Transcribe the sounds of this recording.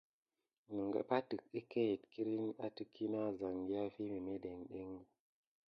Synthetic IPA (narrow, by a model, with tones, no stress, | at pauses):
nə˨ŋɡa̰˨pa˦tɨ˨ki˦ke˦i˨tki˦ɾi˦na˦ti˦kːi˦na˦za˨ŋɡi˦ja˦fi˦mi˨me˦de˨ŋɗe˦ŋɡ